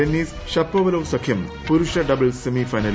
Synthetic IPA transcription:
enːiːs | ʃɐpːɐʋɐlɐʋsɐkʰjɐmpuɾuʂɐɖɐbɐlsemifɐjnɐl

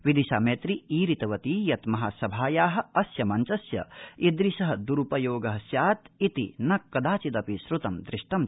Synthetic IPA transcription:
ʋid̪iʃaːmeːt̪ɾiiːɾit̪ɐʋɐt̪iːjɐt̪mɐɦaːsɐbʱaːjaːɦɐ̆ɐsjɐmɐnt͡ʃɐsjɐ̰id̪ɾiʃɐɦɐd̪uɾupɐjoːɡɐɦɐsjaːt̪it̪ḭnɐkːɐd̪aːt͡ʃit̪ɐpisɾut̪ɐmd̪ɾɪʃʈɐm

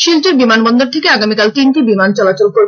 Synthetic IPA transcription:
ʃilt͡ɕeɾbimanbɔnd̪oɾt̪ʰekeaɡamikalt̪inʈibimant͡ɕɔlat͡ɕolkoɾbe

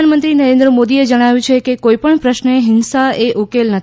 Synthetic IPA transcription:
anmənt̪ɾinəɾẽnd̪ɾəmod̪ied͡ʒəɽ̃aʋjũt͡ʃʰekekoipəɳpɾəʃneɦɪnsaeʔukelnət̪ʰ

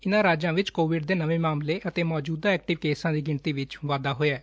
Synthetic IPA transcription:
ɪnãːɾaːd͡ʒãːʋɪt͡ʃkoːʋɪɖd̪eːnəʋeːmaːmleːʔət̪eːmɔːd͡ʒuːd̪aːɛːkʈɪʋkeːsãːd̪iːɡɪɳt̪iːʋɪt͡ʃʋaːd̪aːɦoːɛː

